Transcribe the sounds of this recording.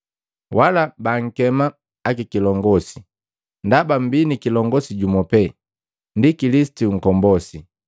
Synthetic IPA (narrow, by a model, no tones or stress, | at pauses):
walabaŋ̩kɛmaː | kikilɔŋɡɔsi | ndabam̩binikilɔŋɡɔsiɟumɔpɛ | ndikilisi̥tuŋ̩kɔmbɔsi